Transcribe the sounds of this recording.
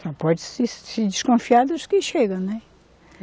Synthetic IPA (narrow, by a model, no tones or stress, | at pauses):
sɔ̃pɔðsissid̪ɨʃkõfiaðɐʒðkiʃeɣɐ̃nɛ